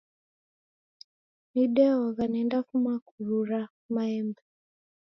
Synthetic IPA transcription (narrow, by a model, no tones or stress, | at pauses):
niɗɛwaɣanɛndafumakuɾuɾa | maɛmbɛ